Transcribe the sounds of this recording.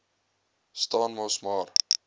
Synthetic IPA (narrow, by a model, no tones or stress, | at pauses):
stɑːnmɔsmɑːr